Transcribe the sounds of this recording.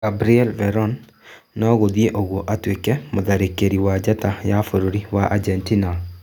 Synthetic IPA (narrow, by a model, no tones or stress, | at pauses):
ɡabɾiɛlvɛɾɔnː | ɔɡodieʔoɡwoʔatwekɛmɔdaɾekeɾiwad͡ʒatajafoɾoɾiwaʔad͡ʒɛntina